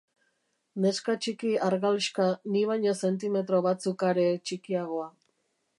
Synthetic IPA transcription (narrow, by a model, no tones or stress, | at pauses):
ne̞skat͡ʃikiaɾɣaliʃkaniβajɲo̞se̞nt̪̬ime̞t̪ɾo̞βat͡sukaɾe̞t͡ʃikiaɣoa